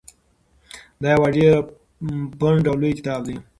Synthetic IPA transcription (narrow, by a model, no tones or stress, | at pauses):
d̪ɑjawaɖe | pəɳʈawlojkɪ̥t̪ɑːbd̪i